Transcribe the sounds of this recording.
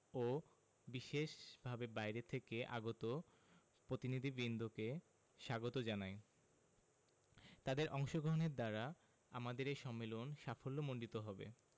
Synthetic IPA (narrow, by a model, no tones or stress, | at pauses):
o | biʃeʃbʱabebajɾet̪ʰekeʔa̰ɡot̪o | pɾot̪inid̪ʱibind̪ʱoke | ʃaɡot̪od͡ʑanae | t̪ad̪eɾʔɔŋʃoɡɾoɦoneɾd̪aɾa | amad̪eɾeʃɔmːelonʃafolːomoɳɖit̪oɦɔbḛ